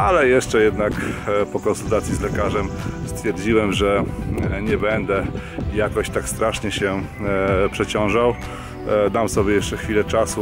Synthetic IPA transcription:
alɛjɛʂt͡ʂɛjɛd̪nakpɔkɔnsult̪at̪sʲjizlɛkaʐɛmst̪fʲjɛɾd͡ʑiwɛmʐɛɲɛbɛnd̪ɛjakɔɕt̪akst̪ɾaʂɲɛɕɛ | pʂɛt͡ɕɔ̃w̃ʐaw | d̪amsɔbʲjɛjɛʂt͡ʂɛxfʲilɛt͡ʂasu

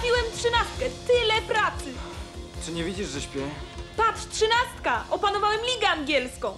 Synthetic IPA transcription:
fʲiwɛmtʂɘnast̪̚kɛt̪ɘlɛpɾat̪sɘt͡ʂɨɲevʲid͡ʑiʐʐɛɕpʲjɛpatʂtʂɘnast̪kaʔɔpanɔvawɛmlʲiɡɛaŋɡʲjɛlskɔ̃w̃

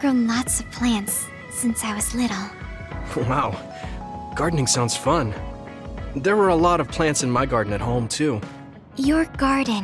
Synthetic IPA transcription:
ɡ̥ɹõʊ̃nlɑtsʌv̥pʰl̥æ̃ntsː | ɪ̃nsaɪwʌz̥lɪɾl̩ˠ | waʊ | ɡ̥ɑɹdⁿnɪ̃ŋsãʊ̃ndz̥fʌ̃n | ðə˞wə˞əlɔɾʌv̥pʰl̥æ̃ntsɨ̃nmaɪɡɑɹdⁿn̩ɨt̚ɦõʊ̃mtʰʉ | jə˞ɡɑɹdⁿn̩

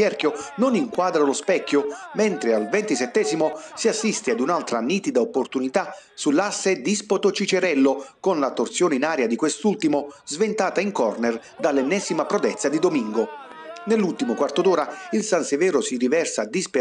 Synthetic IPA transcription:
ɛrkjononiŋkwaːd̪ɾalospɛkːomɛnt̪ɾɪalvɛnt̪isɛt̪ːɛːzimosiasːist̪ead̪unalt̪ɾanːiːt̪id̪aopːort̪unit̪asulːasːed̪ispot̪ot͡ʃit͡ʃeɾɛlːokonlat̪ːort̪sjoːneinaːɾjad̪ikwest̪ult̪imozvent̪aːt̪aiŋkɔrner | d̪alːɛnːɛːzimapɾod̪ɛt̪sːad̪id̪omiŋɡo | nelːult̪imokwart̪od̪oːɾailsansevɛːɾʊsirivɛrsad̪isp

